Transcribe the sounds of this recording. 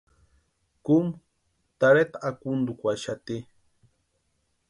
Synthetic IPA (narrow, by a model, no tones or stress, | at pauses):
kum | t̪aɾet̪aakund̪ukʷaʃat̪i